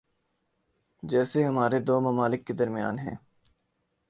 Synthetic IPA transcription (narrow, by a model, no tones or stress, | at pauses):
d͡ʒɛːseɦɐmaːɾed̪oːmɐmaːlɪkːed̪ɐɾmija̰ːnɦɛ̰̃ː